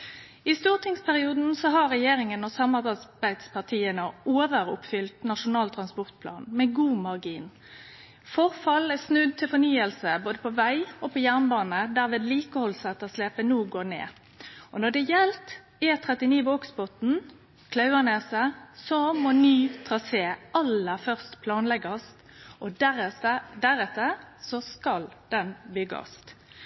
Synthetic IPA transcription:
ɪst̪uːʁt̪ʰɪŋspʰæʁɪuːd̪n̩sɔɦɑʁɛjeːɾɪŋənɔsɑmɑʁbɑbæɪd̪spʰɑʁt̪ʰiːənəoːʋəɾʊ̰pfʏlt̪nɑʂʊnɑːlt̪ʰɾɑnspɔʁt̪̚pʰlɑ̰ːnmɛɡuːmɑʁɡiːn | fɔʁfɑlɛsnʉd̪̚t̪ʰɪlfɔnyːəlsəboːd̪əpʰɔʋæɪɔpʰɔjæʁnbɑːnəd̪æːʁɾʋeːd̪liːkəhɔlsɑt̪ːɔsleːpənuːɡoːnḛː | ʔɔnɔɖ̪ɛjɛlt̪ | eːt̪ʰʁɛt̪ɪniːʋɔksbɔt̪n̩ | kʰlɑʉəneːsəsɔmɔnyːt̪ʰʁɑseːʔɑləfœʁst̪pʰlɑːnlɛɡɑst̪ | ʔɔ | d̪æɾɛt̪ːəsɔskɑld̪̥ɛnbʏɡɑ̰st̪

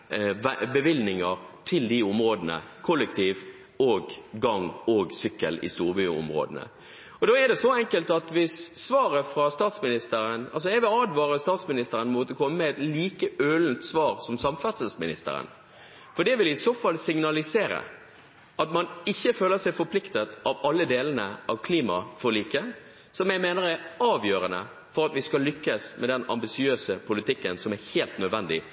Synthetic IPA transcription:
bəʋɪlnɪŋəɾt̪ʰɪld̪ɪʊmɾoːd̪ənə̰kʰʊlːək̚t̪ʰiːʋ | oːɡːɑŋoːɡsʏkːə̰lɪ̰st̪uːɾbyːʊ̰mɾo̰ːd̪ənə̰ | ɔd̪oːɛɖ̪ɛsɔɛŋkəlt̪ɑt̪ʋɪsːʋɑːɾəfɾɑst̪ɑːt̪smɪnɪst̪əɾənɑ̰ls̬ɔɛʋɪlɑːd̪ʋɑːɾəst̪ɑːt̪smɪnɪst̪əɾənmoːt̪əkʰɔmːəməɛt̪liːkəøːlnt̪sʋɑːɾsɔmsɑmfɑt̪səlsmɪnɪst̪ə̰ɾə̰n | fɔɖɛʋɪlɪɪsoːfɑlːsɪŋnɑlɪseːɾə̰ | ʔɑt̪mɑnɪçːəføːləsæɪfɔɾpʰlɪkt̪ət̪ɑʋɑlːəd̪eːlənəʔɑʋkʰliːmɑ̰fɔɾliːkə | sɔmjæɪmeːnəɾæɾɑːʋjøːɾənə̰ | fɔɾɑt̪ʋɪskɑlːʏkːəsmʔɛd̪ɛnɑ̰mbɪsɪøːsəpʰʊlɪt̪ɪkːənsɔmæɾheːlt̪nœd̪ʋɛnd̪ɪ̰

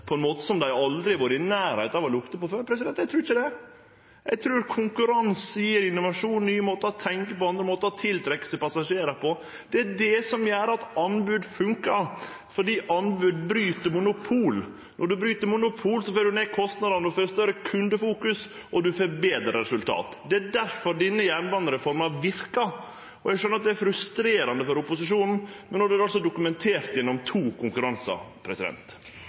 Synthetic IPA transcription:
pʰɔɛnmoːt̪ə̥sɔmd̪æɪɑld̪ɾɪʋuːɾəɪnæːɾhɛɪt̪ɑʋɔlʊkt̪əpɔføːɾpʰɾɛsɪd̪ɛnt̪jɛɪt̪ɾʉːɾɪçəd̪ɛ | jæɡt̪ʰɾʉːɾkʰʊŋkʉɾɑnssiːəɾɪnːʊʋɑʂuːnnyːəmoːt̪əɔt̪ʰɛŋkəpɔɑnd̪ɾəmoːt̪əɔt̪ʰɪlt̪ʰɾɛkːə̥sɛɪpɑsɑʂeːɾəpʰɔ | d̪̥ɛæɖɛsɔmjæːɾəɑt̪ɑnbʉd̪fʉŋkəɾ | fɔɖiːʔɑnbʉd̪bɾyːt̪əɾmʊnʊpʰuːl | nʔɔɖʉbɾyːt̪əɾmʊnʊpʰuːlsɔføːɾɖʉneːkʰɔst̪nɑd̪ɑnəʉføːɾst̪œɾəkʰʉnd̪əfuːkʉs | ɔd̪ʉfɔɾbeːd̪ɾɑɾɛsʉlt̪ʰɑ̰ːt̪d̪ɛædæɾfɔɾɖinːəjæːɳʋɑnəɾəfɔɾmɑʋɪɾkɑ | ɔæɡʂœnəɾɑt̪̚d̪ɛæɾfɾʉst̪ɾeːɾɑnd̪əfɔɾʊpʊsɪʂuːnn̩mɛnːɔɖʉæɾɑlsɔd̪ʊkʉmɛnt̪ʰeːɾt̪jɛnːɔmt̪ʰuːkʰʊŋkʉɾɑnsɑ̰pʰɾɛsɪd̪ɛ̰nt̪

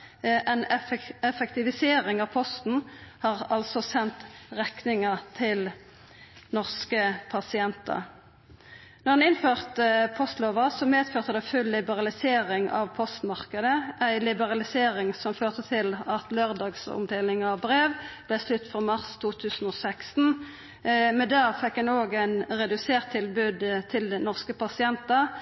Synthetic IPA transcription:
ʔænɛfɛk̚t̪ɪʋɪseːʁɪŋɑʋpʰɔst̪n̩hɑʁɑlsɔsɛnt̪ʁɛknɪŋət̪ʰɪl | nɔʁskəpʰɑsɪɛnt̪ɑ̰ | nɔʁd̪ɑnɪnføːʁt̪əpʰɔst̪loːʋɑsɔmeːd̪føːʁt̪əd̪ɛfʉllːɪbəʁɑlɪseːʁɪŋɑ̰ʋpʰɔst̪mɑʁkəd̪əæɪlɪbəʁɑlɪseːʁɪŋsɔmføːʁt̪ət̪ʰɪlɑt̪løːʁd̪ɑːɡsɔ̰md̪eːlɪŋɑbʁeːʋb̥lɛslʉt̪ːfʁɑmɑʁst̪ʰuːt̪ʰʉːsn̩oːsækst̪n̩ | mɛd̪æːfɛkːɛnoːɡæɪnʁɛd̪ʉseːʁt̪ʰːɪlbʉːd̪t̪ʰɪldnɔʁskəpɑsɪɛnt̪ə

